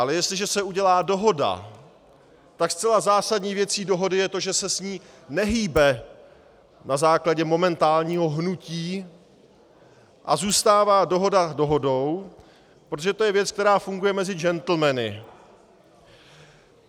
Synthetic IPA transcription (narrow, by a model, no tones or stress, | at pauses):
ʔalɛjɛst̪lɪʒɛsɛuɟɛlaːdo̞ɦo̞da̰ | t̪akstt͡sɛlazaːsadɲiːvjɛt͡siːdo̞ɦo̞dɪjɛt̪o̞ʒɛsɛsɲiː | nɛɦiːbɛ | nazaːklaɟɛmo̞mɛnt̪aːlɲiːɦo̞ɦnuciː | ʔa̰zuːst̪aːvaːdo̞ɦo̞dado̞ɦo̞do̞w | pɾot̪oʒɛt̪o̞jɛvjɛt͡sk̚t̪ɛɾaːfuŋɡujɛmɛzɪd͡ʒɛnt̪l̩mɛnɪ̰